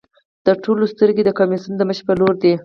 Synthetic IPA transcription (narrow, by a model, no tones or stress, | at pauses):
t̪əʈolost̪əɾɡed̪əkamisund̪əməʃpəloɾd̪i